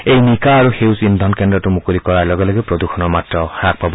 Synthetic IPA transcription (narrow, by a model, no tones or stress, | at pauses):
ejmikaːɾuhewsind̪ʱɔnkendɾɔtumukulikɔɾalɔɡaleɡipɾod̪uxʰɔnɔmatrɔhɾak̚pabɔ